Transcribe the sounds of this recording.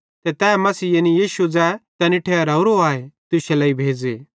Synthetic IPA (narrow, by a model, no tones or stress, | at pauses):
t̪ɛt̪ɛːmɐsiːjenijiːʃud͡zɛt̪ɛnɪʈʰeɾɐʊɾoaːet̪ʊʃɛlɐːibʱeːd͡zeː